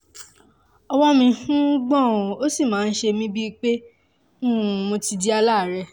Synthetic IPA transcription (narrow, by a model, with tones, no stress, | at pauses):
ɔ˧wɔ˦mĩ˧fũ˦ɡ͡bɔ̃˦˨o˦si˦˨mãː˨˦n̩˦ʃe˧mĩ˦bi˦k͡pe˦ | nũ˦˨mõ˧ti˧di˦a˧la˦˨ɾɛ˧˨